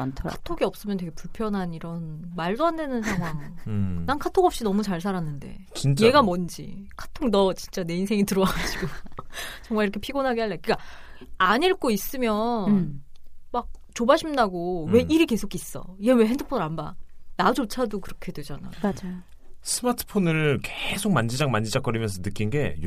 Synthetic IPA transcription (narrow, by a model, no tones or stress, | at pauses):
ntʰatʰoɡiʌp̚s͈ɯmjʌnt̬we̞ɡe̞puɭpʰjʌnɦaniɾʌnmaɭdoɦandenɯnsʰaŋɦwaŋnankʰatʰoŋʌpɕ͈inʌmut͡ɕaɭsʰaɾanːɯnde̞̰ | e̞ɡamʌnd͡ʑḭkʰḁtʰoŋnʌt͡ɕint͡ɕ͈ane̞ins̬ʰe̞ŋitɯɾʌaɡad͡ʑiɡo | t͡ɕʌŋmaɭiɾʌkʰe̞pʰiɡonɦaɡeɦaɭːekʰɯk͈aaɲiɭk͈ois͈ɯmjʌn | mak̚t͡ɕobaɕʰimdaɡowe̞ʔiɾike̞sʰokʰis͈ʌ̰iɡewe̞ɦendʰɯpʰonɯɾanba̰nad͡ʑot͡ɕʰadokɯɾʌkʰe̞dwe̞d͡ʑana̰jjoad͡ʑaj | sʰɯmatʰɯ̥pʰonɯɭkesʰok̚mand͡ʑid͡ʑaŋmand͡ʑid͡ʑak͈ʌɾimjʌnsʰʌnɯk͈inɡe̞̰j